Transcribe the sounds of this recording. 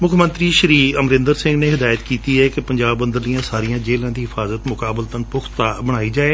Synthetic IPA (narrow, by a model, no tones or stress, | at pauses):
mʊkʰmə̃nt̪ɾiːʃəɾiːəmɾɪ̃ːnd̪əɾsɪ̃ŋɡneːɦɪd̪aːjət̪kiːt̪iːɦɛːkepəɲd͡ʒaːbːənd̪əɾd̪ijãːsaːɾijãːd͡ʒeːlãːd̪iːɦɪfʰaːzət̪mʊkaːbəlt̪ənpʊkʰt̪aːbəɽ̃aːiːd͡ʒaːeː